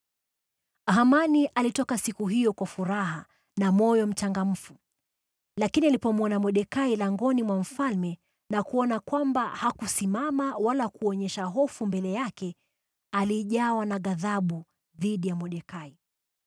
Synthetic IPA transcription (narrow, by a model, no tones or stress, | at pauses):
aɦamaniʔalitɔkasikuɦijɔkwafuɾaɦa | namɔjɔm̩t͡ʃaŋɡam̩fu | lakinialipɔmɔnamɔɗɛkailaŋɡɔnimwam̩falmɛ | nakuɔnakwambahakusimamawalakuɔɲɛʃaɦɔfumbɛlɛjakɛ | aliʄawanaɣaðaɓu | ðiɗijamɔɗɛkai